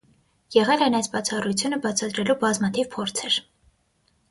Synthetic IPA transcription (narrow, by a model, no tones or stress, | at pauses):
jɛʁɛlɛjnɑjsbɑt͡sʰɑrut͡sʰjunəbɑt͡sʰɑd̪ɾɛlubɑzmɑt̪ʰiv̥pʰɔɾt͡sʰɛɾ